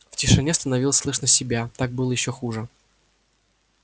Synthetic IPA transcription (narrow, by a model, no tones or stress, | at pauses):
ftʲɪʂɨnʲest̪ənɐvʲilˠəsʲslˠɨʂnəsʲɪbʲat̪ak̚bɨlˠəjɪɕːoxuʐɨ